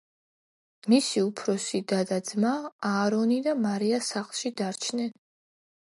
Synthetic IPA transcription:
misiupʰɾɔsid̪ad̪ad̪zmaːɾɔnid̪amaɾiasaχlˠʃid̪aɾt͡ʃʰnɛn

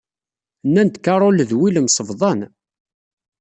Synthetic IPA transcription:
nːænt̪kɑɾˤolðwiləmsˤəvðˤɑn

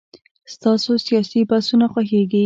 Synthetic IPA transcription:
st̪ɑsosijɑsibasunaxwaxeɡi

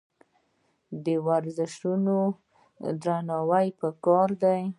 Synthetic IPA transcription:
d̪əwaɾzɪʃuno | d̪ɾanɑwajpəkɑɾd̪aj

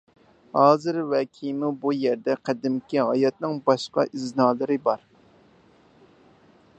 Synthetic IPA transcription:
hɑːzɨɾwɛkʲʰijmubujɛɾd̪ɛqʰæd̪ɪmkʲiɦɑjɑt̪̚nɨŋbɑʃqɑ̰ʔiznɑːlˠɨɾɨbɑɾ

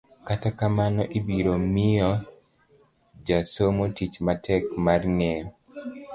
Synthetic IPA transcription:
katakamanɔʔibiɾomɪjɔ | d͡ʒasomotit͡ʃmatɛkmarŋe

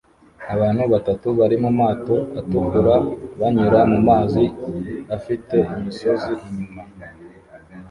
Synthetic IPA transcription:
aβaːn̥huβatatuβaɾimumaːto̞atukuɾaβaɲuɾamumaːziβafite̞imiso̞ziiɲuma

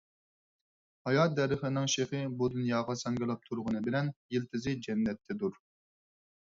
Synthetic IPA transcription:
hɑjɑt̪̚d̪ɛɾɪχɪnɪŋʃeχɨbud̪unjɑːʁɑsɑŋɡʲɪlˠɑp̚t̪ʰuɾʁənɨbɪlɛnjilt̪ʰɪzɪd͡ʒɛnːɛt̪ʰːɛd̪uɾ

